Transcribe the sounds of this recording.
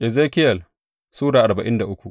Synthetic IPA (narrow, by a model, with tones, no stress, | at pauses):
ʔɛ˨zeː˦kʲɪ˦jɐ˨l | suː˦daː˨ʔa˨rba˨ʔɪ˦nda˨ʔʊ˦kʷu˨ʔ